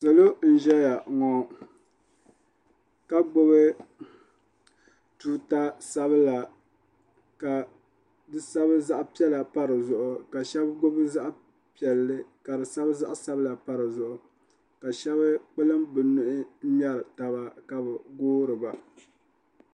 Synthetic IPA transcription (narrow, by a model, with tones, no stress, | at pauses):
sɨ˨lo˦n̩˨ʒɛ˦ja˨ŋɔ˦ | ka˦ɡ͡bʊ˦bɨ˦ | tuː˦ta˦sa˦βɨ˦la˨ | ka˨ | dɨ˨sa˦βɨ˦za˦ʔpi˦ɛ˦la˨pa˦ɾɨ˨zʊ˨ʔʊ˨ka˨ʃɛ˦bɡo˦bɨ˦za˦ʔ | pi˨ɛ˨lːɨ˦ka˨dɨ˨sa˦bɨ˦za˦ʔa˦sa˦bɨ˦la˨pa˦ɾɨ˨zʊ˨ʔʊ˨ | ka˨ʃɛ˦βɨ˦k͡pɨ˦lɨ˦mbɨ˨nʊ˦ʔɪ˦m˦ɛ˦ɾɨ˨ta˨βa˦ka˨bɨ˨ɡoː˦ɾɨ˨ba˨